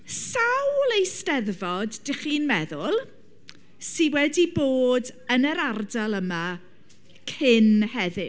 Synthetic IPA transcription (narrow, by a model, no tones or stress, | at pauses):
sawlˠejstɛðvɔdːɪχiːnmɛðʊlˠ | siwɛdiboːdənəɾardalˠəma | kʰɪnhɛðɨ